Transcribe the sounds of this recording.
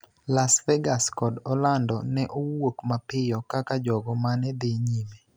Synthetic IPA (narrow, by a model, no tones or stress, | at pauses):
lasvɛɡaskɔdɔlandɔnɛʔowokmapɪjɔkakad͡ʒɔɡɔmanɛd̪eɲime